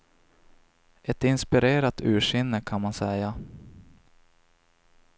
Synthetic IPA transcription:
ɛt̪ɪnspɪɾeːɾat̪ʉ̟ːʂɪnːəkʰanmansɛja

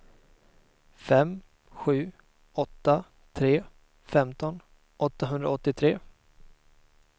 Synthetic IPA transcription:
fɛm | ɧʉ̟ː | ɔt̪ːa | t̪ʰɾeː | fɛmt̪ɔn | ʔɔt̪ːaɦɵnd̪ɾa̰ɔt̪ːɪt̪ʰɾeː

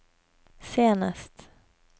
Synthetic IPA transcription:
seːnast̪

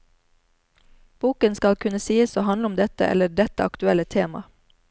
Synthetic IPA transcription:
b̥uːkənskɑlkʰʉnəsiːəsoːhɑnləʊmd̪ɛt̪ə̰ʔɛ̰ləɖɛt̪əɑ̰kt̪ʉɛlət̪ʰeːmɑ̰

